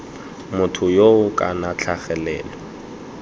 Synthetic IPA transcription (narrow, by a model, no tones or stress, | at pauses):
mʊtʰʊjoʊkʼa̰nat͡ɬʰaχɛlɛ̰ːlɔ